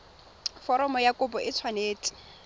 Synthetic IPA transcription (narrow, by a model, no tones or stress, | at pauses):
fɔɾɔmɔjakʼʊpɔʔɪt͡sʰwaneːtʼɪ̥